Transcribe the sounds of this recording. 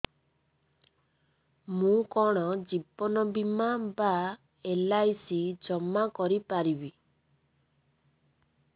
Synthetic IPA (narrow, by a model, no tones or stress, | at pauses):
mũkɔɽ̃ɔd͡ʒibɔnɔbimaba | elajsid͡ʒɔmːakɔɾipaɾibi